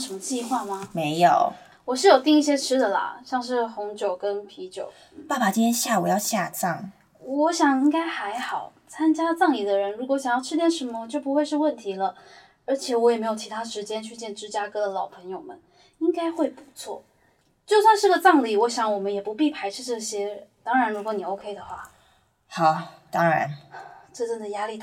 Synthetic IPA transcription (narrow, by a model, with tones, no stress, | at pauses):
ʂə˧˥mə˧t͡ɕi˥˧xwa˥˩mɐ˩me˧˥ɪjo˨˩ʊ | wɔ˨˩ʂɻ̩˥˩jo˨˩ʊt̪i˥˧ŋi˥˩ɕ̬jɛ˥ʈ͡ʂʰɻ̩˥d̪ə˨lɐ̰˩ɕjɑ˥˧ŋʂ̬ɻ̩˥˩xʊ˧˥ŋt͡ɕjo˨˩ʊkə˦˥npʰi˧˥t͡ɕjo̰˨˩ʊ | pa˥˩ba˨˩t͡ɕi˥nt̪ʰjɛ˥nɕja˥˩wɔ˨˩jɑ˥˧ʊɕja˥˧t͡sɑ˥˩ŋ | wɔ˧˥ɕjɑ˨˩ŋi˥ŋka˥ɪxa˧˥ɪxɑ˨˩ʊ | t͡sʰa˥nt͡ɕja˥t͡sɑ˥˩ŋli˨˩d̪ə˦ɻə˧˥nɻu˧˥kɔ˨˧˦ɕjɑ˨˩ŋjɑ˥˧ʊʈ͡ʂʰɻ̩˥t̪jɛ˥˩nʂə˧˥mə˧t͡ɕjo˥˩ʊpu˧˥xwe˥˧ɪʂɻ̩˥˧wə˥˩nt̪ʰi˧˥lə˧ | ə˞˧˥t͡ɕʰjɛ˨˩wɔ˧˥jɛ˨˩me˧˥ɪjt͡ɕʰi˧˥t̪ʰa˥ʂɻ̩˧˥t͡ɕjɛ˥nt͡ɕʰy˥˧t͡ɕjɛ˥˩nʈ͡ʂɻ̩˥t͡ɕja˥kɤ˥d̪ə˨lɑ˨˩ʊpʰɤ˧˥ŋjo˨˩ʊmə˦n | i˥ŋka˥ɪxwe˥˩ɪpu̥˧˥t͡sʰwɔ̰˥˩ | t͡ɕjo˥˧ʊswa˥˧nʂɻ̩˥˩ɡə˩t͡sɑ˥˧ŋli˨˩wɔ˧˥ɕjɑ˧˥ŋwɔ˨˩mə˦njɛ˨˩pu˧˥pi˥˩pʰa˧˥ɪʈ͡ʂʰɻ̩˥ʈ͡ʂɤ˥˩ɕjɛ˥t̪ɑ˥ŋɻa˧˥nɻu˧˥kwɔ˧˥ni˨˩o˧˥ʊkʰe˥ɪd̪ə˨xwa̰˥˩ | xɑ˨˩˦ʊt̪ɑ˥ŋɻa̰˧˥nʈ͡ʂɤ˥˧ʈ͡ʂɤ˥˩ŋd̪ə˩ja˥li˥˩